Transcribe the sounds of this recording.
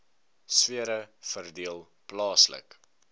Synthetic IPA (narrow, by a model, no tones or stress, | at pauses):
swiəɾəfərdiəlˠ | plɑːslə̰k